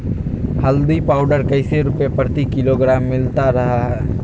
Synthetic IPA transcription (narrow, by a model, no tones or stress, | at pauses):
həld̪ipaʊɖəɾkəɪseɾupjepɾət̪ikɪloɡɾamːɪlt̪aɾəɦaɦɛ